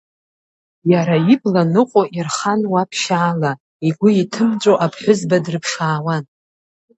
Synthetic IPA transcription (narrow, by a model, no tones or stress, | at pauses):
jaɾaiblanɨqʷʼoʔirχanwapʰʃaːla | iɡʷʊitʰɨmt͡ʃʷʼoʔapʰħʷʊzbadrɨpʰʂaːwan